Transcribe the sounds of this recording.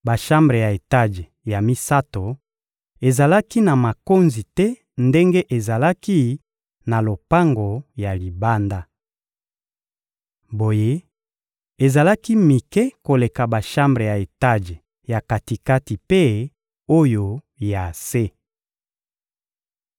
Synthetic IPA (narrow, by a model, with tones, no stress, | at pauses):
ba˨ʃa˦mbʁe˨ja˨e˨ta˦ʒe˨ | ja˨mi˦sa˦to˨ | e˨za˨la˦ki˦na˨ma˨ko˦nzi˨tɛ˦ | nde˦ŋɡe˦ʔe˨za˨la˦ki˦ | na˨lo˨pa˦ŋɡo˨ja˨li˨ba˦nda˦ | bo˨je˦ | e˨za˨la˦ki˦mi˨kɛ˦ko˨le˨ka˨ba˨ʃa˦mbʁe˨ja˨e˨ta˦ʒe˨ | ja˨ka˨ti˨ka˦ti˨pe˦ | o˦jo˨ | ja˨se˦